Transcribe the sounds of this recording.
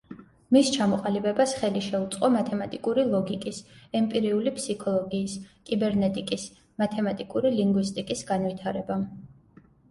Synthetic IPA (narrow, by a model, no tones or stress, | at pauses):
mist͡ʃʰamɔqʼalibɛbasχɛliʃɛut̪sʼqʼɔmat̪ʰɛmat̪ʼikʼuɾilˠɔɡikʼisɛmpʼiɾiulipʰsikʰɔlˠɔɡiːskʼibɛɾnɛt̪ʼikʼis | mat̪ʰɛmat̪ʼikʼuɾiliŋɡwist̪ʼikʼisɡanvit̪ʰaɾɛba